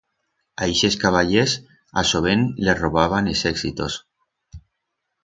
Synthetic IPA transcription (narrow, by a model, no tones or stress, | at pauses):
ajʃeskaβaʎes | a̰soβ̞enleroβaβanesɛksit̪os